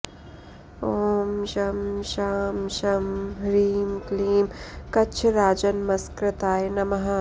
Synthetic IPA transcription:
oːmʃɐmʃaːmʃɐmɾiːmkliːmkɐt͡ʃʰɾaːd͡ʒɐnmɐskɾɪt̪aːjnɐmɐɦaː

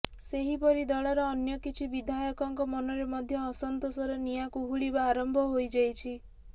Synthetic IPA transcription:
seɦipɔɾid̪ɔɭaɾɔːnjɔkit͡ʃʰibid̪ʱajɔkɔŋkɔmɔnɔɾemɔd̪ʱjɔːsɔnt̪osɔɾenijakuɦuɭibaːɾɔmbʱɔɦojd͡ʒajt͡ʃʰi

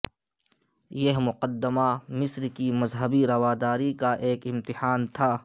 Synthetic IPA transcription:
jɐɦmʊqəd̪ːəmamɪsɾkimɐzɦəbiɾɐʋaːd̪aːɾikaʔeːkɪmt̪ɪħaːnt̪ʰaː

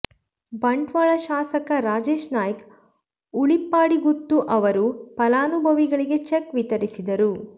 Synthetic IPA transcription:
bɐɳɖʋaːɭɐʃaːsɐkɐɾaːd͡ʒeːʃnaːjk | uɭipːaːɽiɡut̪ːuʔɐʋɐɾupɐlaːnubʱɐʋiɡɐɭiɡe̞t͡ʃekʋit̪ɐɾisid̪ɐɾu

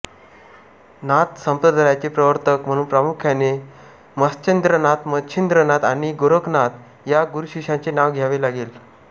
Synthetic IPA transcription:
nat̪səmpɾəd̪ʱɾajt͡ɕepɾəʋəɾt̪əkm̤əɽ̃ũːnpɾamukʰjane | məst͡ɕend̪ɾənat̪mətːɕʰind̪ɾənat̪aniɡoɾəknat̪ | jaɡuɾuɕiɕãt͡senaʋɡʱjaʋelaɡel

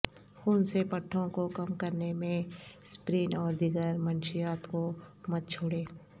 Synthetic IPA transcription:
xuːnsepɐʈʰːõkokɐmkɐɾnemẽspɾiːnɔːɾd̪ɪɡəɾmənʃɪjaːt̪komɐt̪̚t͡ʃʰoːɽeː

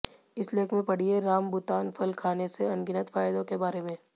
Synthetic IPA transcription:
ɪsleːkʰmẽpɐɽ̤ieɾaːmbʊt̪aːnfʰɐlkʰaːneseɐ̃nɡɪnət̪faːjd̪õkebaːɾemẽː

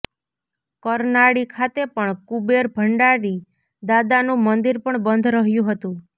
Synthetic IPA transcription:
kəɾnaɽikʰat̪epəɳkubeɾbʱəɳɖaɾi | d̪ad̪anũmənd̪iɾpəɳbənd̪ʱɾəɦjũɦət̪ũ

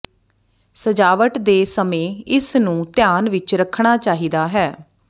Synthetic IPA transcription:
səd͡ʒaːʋəʈd̪eːsəmẽːɪsnũːt̪ɪjaːnʋɪt͡ʃɾəkʰɳaːt͡ʃaːɦiːd̪aːɦɛː

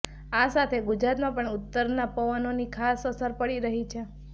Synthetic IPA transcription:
asat̪ʰeɡʊd͡ʒɾat̪mãpəɳʊt̪ːəɾnapəʋənonikʰasəsəɾpəɭiɾəɦit͡ʃʰe

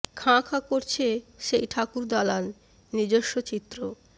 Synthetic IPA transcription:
kʰãkʰãkoɾt͡ɕʰeʃejʈʰakuɾd̪ɔlanː | id͡ʑoʃːot͡ɕit̪ːɾo

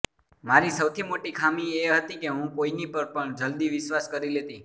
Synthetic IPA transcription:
maɾisəwt̪ʰimoʈikʰamieɦət̪ikeɦũkoinipəɾpəɳd͡ʒəld̪iʋɪʃʋaskəɾilet̪i

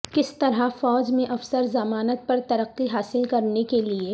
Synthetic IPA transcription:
kɪst̪ɐɾɦafɔːd͡ʒmẽʔɐfsəɾzɐmaːnət̪̚pɐɾt̪ɐɾəqːiɦaːsɪlkɐɾnekelie

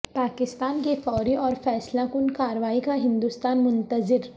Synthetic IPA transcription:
paːkɪst̪aːnkifɔːɾiɔːɾfɛːslakʊnkaːɾəʋaːikaɦɪ̃nd̪ust̪aːnmʊ̃nt̪əzɪɾ

